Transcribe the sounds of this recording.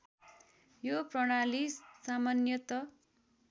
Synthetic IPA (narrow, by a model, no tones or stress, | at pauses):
joprʌɽ̃alisːamanjʌt̪ʌ